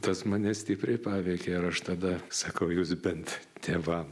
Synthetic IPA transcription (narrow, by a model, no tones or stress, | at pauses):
t̪ɐsmɐnʲɛsʲt̪ʲiːpʲɾʲɛɪpɑːʋʲɛɪkʲeːɪɾɐʃt̪ɐd̪ɐsɐkɐʊjuːsbʲɛnt̪t̪ʲeːʋɐm